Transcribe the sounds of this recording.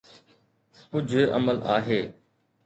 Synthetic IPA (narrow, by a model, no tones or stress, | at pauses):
kʊd͡ʑʱə̰məla̰ːɦeː